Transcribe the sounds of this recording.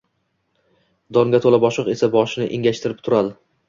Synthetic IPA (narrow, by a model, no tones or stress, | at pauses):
d̪ɒŋɡʲat̪ʰolabɒʃɨqe̞sabɒʃɪnɪ̰ʔeŋɡʲaʃt̪ʰɪɾɪp̚t̪ʰʊɾad̪ɪ